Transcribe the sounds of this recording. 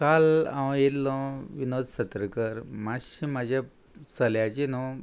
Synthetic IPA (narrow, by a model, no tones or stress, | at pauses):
kalã̰jet̪lɔ̃ʋinod͡z̪sət̪ɾəkəɾmaɕimad͡ʑʱja | səljat͡ɕinõ